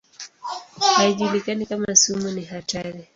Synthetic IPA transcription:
haiʄulikanikamasumuniɦataɾi

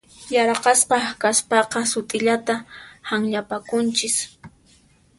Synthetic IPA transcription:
jɑɾqɑsqɑkaspɑqɑsʊt̪ʼɪʎat̪ahaŋʎapakʊnt͡ʃɪs

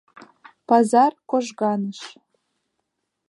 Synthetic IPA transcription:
pɑzɑrkoʒɣɑnəʃ

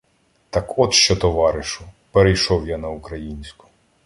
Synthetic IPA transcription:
t̪ɑkɔt̪ʃt͡ʃɔt̪ɔʋɑɾɪʃʊpeɾejʃɔwjanɐʊkɾɐjinʲsʲkʊ̥

